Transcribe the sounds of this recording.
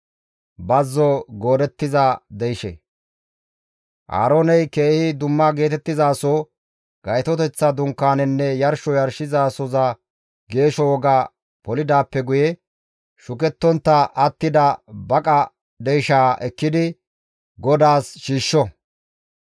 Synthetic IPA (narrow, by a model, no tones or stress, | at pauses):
bɐzːɔɡoːd̪ɛt̪ːɪzad̪ɛjʃɛ̰ | ʔa̰ːɾoːnɛjke̞ːhɪd̪ʊmːɐɡe̞ːt̪ɛt̪ːɪzaːsoː | ɡ̥ɐjt̪ɔt̪ɛt͡sːɐd̪ʊŋkːaːnɛnːɛjɐɾʃɔjɐɾʃɪzaːsɔzɐ | ɡe̞ːʃɔwɔɡaː | pɔlɪd̪aːpːɛɡʊjɛ | ʃʊkɛt̪ːɔnt̪ːɐʔɐt̪ːɪd̪ɐbɐkʼɐ | d̪ɛjʃaːʔɛkːɪd̪ɪ | ɡɔd̪aːsʃiːʃːɔ